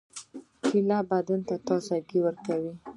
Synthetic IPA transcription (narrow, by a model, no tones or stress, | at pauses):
kilabad̪ant̪at̪ɑsaɡiwəɾkawi